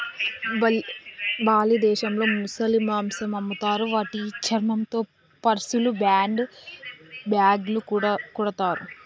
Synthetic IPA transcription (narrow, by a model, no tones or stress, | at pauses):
baːlid̪ɛːʃɐmlo̞ːmusɐlimaːmsɐmɐmːut̪aːɾuʋaːʈit͡ʃʰɐɾmɐmt̪o̞ː | pɐɾsulubaːɳɖ | bjaːɡlukːɽkuɽɐt̪aːɾu